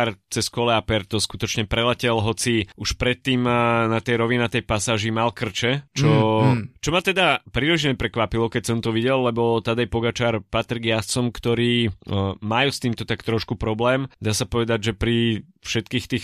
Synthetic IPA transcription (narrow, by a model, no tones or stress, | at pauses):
aɾt͡sɛskɔlɛapɛɾt̪ɔskut̪ɔt͡ʃɲɛpɾɛlɛcɛlɦɔt͡siuʃpɾɛt̪ːiːmnat̪ɛjɾɔʋinat̪ɛjpasaːʒimalkr̩t͡ʃɛt͡ʃɔt͡ʃɔmat̪ɛd̪apɾiliʒɲɛpɾɛkʋapilɔkɛcsɔmt̪ɔʋiɟɛlːɛbɔt̪ad̪ajpɔɡat͡ʃaːɾpat̪ɾiɡjast͡sɔmkt̪ɔɾiːmajust̪iːmt̪ɔt̪akt̪ɾɔʃkupɾɔblɛːmd̪aːsapɔʋɛd̪aɟʒɛpɾi | fʃɛt̪kiːxt̪iːx